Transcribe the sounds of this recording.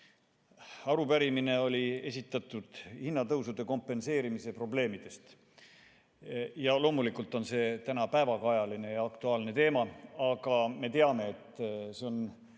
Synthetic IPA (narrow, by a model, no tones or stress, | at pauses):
ɑɾupæɾimine̞o̞lʲie̞sʲit̪ːˑɑt̪ːˑud̪̥hinːɑt̪ɤwsud̪̥e̞ko̞mpːˑe̞nse̞ːɾimise̞pro̞ble̞ːmid̪̥e̞st̪ | jɑlo̞ːmulikult̪ˑo̞nse̞t̪ænɑpæevɑkɑjɑline̞jɑɑkt̪uɑːlne̞t̪e̞ːmɑɑɡ̥ɑme̞t̪e̞ɑme̞ːt̪ːseo̞n